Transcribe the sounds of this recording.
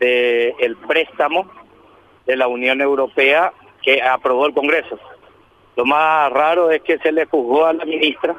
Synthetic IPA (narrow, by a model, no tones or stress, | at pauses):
ðeːlpɾe̞st̪amo̞ | ðe̞launjo̞ne̞wɾo̞pe̞a | keapɾo̞βo̞elko̞ŋɡɾe̞so̞ | lo̞maraɾo̞e̞ske̞se̞lexuɦɣo̞alaminist̪ɾa